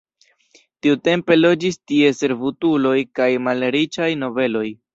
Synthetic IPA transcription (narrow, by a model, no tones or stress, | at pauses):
tiute̞mpe̞lo̞d͡ʒistie̞se̞ɾvutulo̞jkajmalɾit͡ʃajno̞ve̞lo̞j